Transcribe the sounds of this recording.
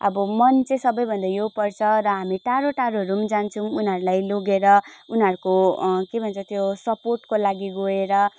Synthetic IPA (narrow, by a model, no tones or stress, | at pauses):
ʌ̰bʌmʌnt͡sẽsʌbʌjbʱʌnd̪ajopʌrt͡sʰʌɾʌɦamiʈaɾoʈaɾoʌɾumd͡zant͡sʰʌ̃unɦʌɾulajloɡeɾʌunɦʌɾukokebʱʌnt͡sʰʌt̪josʌporʈkolaɡiɡoeɾʌ